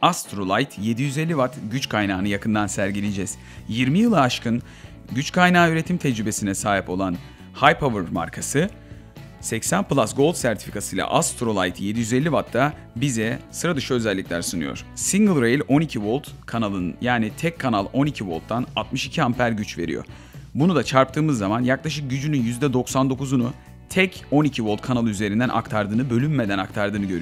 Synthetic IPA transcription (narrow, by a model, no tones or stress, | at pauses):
ast̪ɾolˠajt̪je̞d̪ijyzelʲːivat̪ɟyt͡ʃkʰajnaːnɯjakʰɯnd̪ansæɾɟilʲed͡ʒɛz̥ | jiɾmijɯlˠaaʃkʰɯn | ɟyt͡ʃkʰajnaːyɾe̞t̪ʰimt̪ʰɛd͡ʒɾybe̞sinɛsaːɦipo̞lˠan | hajpʰovɯɾma̰ɾkʰasɯ | sɛcsænplˠasɡo̞lˠt̪sæɾt̪ʰi̥fi̥kʰasɯjlˠa̰ʔast̪ɾo̞lˠa̰jt̪ʰje̞d̪ijyzelʲːivat̪ʰːa | bizɛsɯɾad̪ɯʃɯø̞zɛlʲːiclʲæɾsɯnɯjo̞̰ɾ̥siŋɡɯlˠɾejlʲo̞nicʰivo̞lˠt̪kʰanalˠɯnjaːnit̪ʰɛkʰːanalˠo̞nicʰivo̞lˠt̪ːanat̪mɯʃicʰiɦampʰæɾɟyt͡ʃve̞̰ɾḭjo̰ | bunud̪at͡ʃʰaɾp̚t̪ʰɯːmɯzːamanjaklˠaʃɯk̚ɟyd͡ʒynynjyzd̪ɛd̪o̞ksand̪okuzunu | t̪ʰɛcʰo̞nicʰivo̞lˠt̪̚kʰanalˠɯyze̞ɾind̪ænʔa̰kt̪ʰaɾd̪ɯːnɯbølʲymːe̞d̪ænakt̪ʰaɾd̪ɯːnɯɟøɾy